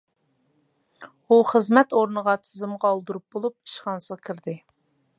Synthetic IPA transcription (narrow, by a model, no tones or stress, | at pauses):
uχəzmɛt̪oɾnəʁɑt̪ʰɪzɨmʁɑːlˠd̪uɾup̚bolˠup̚ʰi̥ʃχɑnsɨʁkʲʰɪɾd̪ɪ